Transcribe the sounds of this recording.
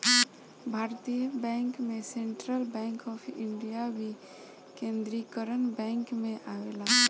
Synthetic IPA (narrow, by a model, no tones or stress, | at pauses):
bʱaːɾt̪ijəbɛ̃ŋkmẽsẽɳʈɾəlbɛ̃ŋkɔpʰḭɳɖijabʱi | kẽnd̪ɾikəɾənbɛ̃ŋkmẽʔaʋela